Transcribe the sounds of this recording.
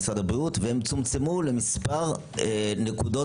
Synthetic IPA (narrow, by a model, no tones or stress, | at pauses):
sʁad̪abʁiut̪veɛmt͡sumt͡semulemispaʁ | nekud̪o